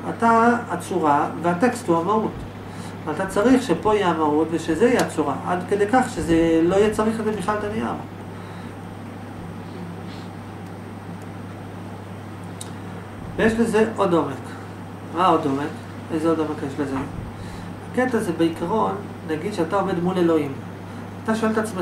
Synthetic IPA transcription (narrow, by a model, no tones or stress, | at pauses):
a̰taːt͡suʁaveate̞ksthuamaʁut | veatat͡saʁiχʃepo̞iaːmaʁutveʃezeiat͡suʁaʔa̰dkedekaχʃezeloijet͡saʁiχlezebiχlalt̪ania̰m | vejeʃleze̞ʔo̞do̞me̞k | mao̞do̞me̞k | ezeo̞do̞me̞kjeʃleze | haketazebeikʰaʁo̞nːaɡid̪ʃeatao̞ve̞d̪mule̞lo̞im | ataʃo̞elt̪at͡sme